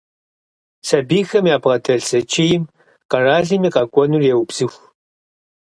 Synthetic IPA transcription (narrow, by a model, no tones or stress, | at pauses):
sɐbiːxɐmjaːbʁɐtʰɐɮsɐt͡ʃʼijɪm | qɐraːɮimiːqɐkʷʼɔnurjɛwubz̥ɨxʷ